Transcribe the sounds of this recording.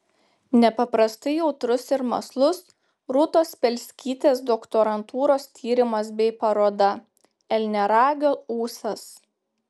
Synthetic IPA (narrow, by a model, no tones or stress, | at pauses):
nʲɛpɐpɾɐst̪ɐɪjɛʊt̪ɾʊsɪɾmɐ̰slˠʊs | ɾʊt̪oːspʲɛlʲsʲkʲiːt̪ʲeːsd̪okt̪oɾɐnt̪ʰuːɾoːst̪ʲʰiːɾʲɪmɐs̬bʲɛɪpɐɾoːd̪ɐ | ɛlʲnʲɛɾɑːɡʲouːsɐs